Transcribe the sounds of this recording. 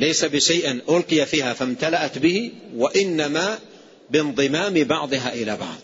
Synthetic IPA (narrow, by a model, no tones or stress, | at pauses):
lajsabɪʃajʔɪnʔʊlqɨjafiːhafamt̪alaʔat̪bɪhiwaʔɪnːamaː | bɪnðˤɨmaːmɪbɑʕd̪ˤɨɦaːʔɪlaːbɑ̰ʕðˤ